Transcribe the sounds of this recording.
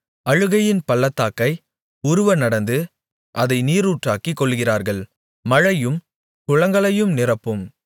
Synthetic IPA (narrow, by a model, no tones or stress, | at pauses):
ɐɻɯɣɐjɪnpɐlːɐt̪ːaːkːɐɪ | ʊɾʊʋɐnɐɽɐnd̪ɯ | ʔɐðɐɪniːɾuːʈraːkikːɔɭːɣɪraːɾɣɐɭ | mɐɻɐjɯm | kʊɻɐŋɡɐɭɐjɯmnɪrɐpːɯm